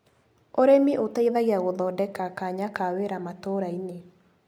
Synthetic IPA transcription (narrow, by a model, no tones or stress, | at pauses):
oɾemiʔotaiðaɣiaɣoðɔːdɛkakaɲakaweɾamatoɾaine